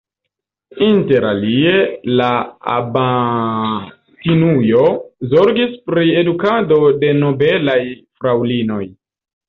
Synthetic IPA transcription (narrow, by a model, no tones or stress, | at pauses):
inte̞ɾa̰lie̞laa̰ba | tinujo̞zo̞ɾɡispɾie̞dukado̞de̞no̞be̞lajfɾawlino̞j